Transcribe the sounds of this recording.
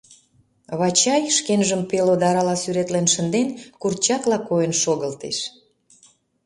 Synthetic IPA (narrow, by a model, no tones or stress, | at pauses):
βɑt͡ɕɑjʃkenʒəmpelod̪ɑɾɑlɑsyɾet̪lenʃə̆nd̪enkurt͡ɕɑklɑkojənʃoɣəlt̪ḛʃ